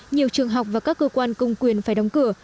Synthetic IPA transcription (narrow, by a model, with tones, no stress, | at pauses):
ɲi˨˩əwt͡ɕɨ˨˩əŋɦa˨˩wk͡p̚vaː˨˩kaː˦˥kːəː˧kwaː˧nkə˧wŋ͡mkwi˨˩ənfaː˧˩jɗa˨˦wŋ͡mkɨ˧˩ə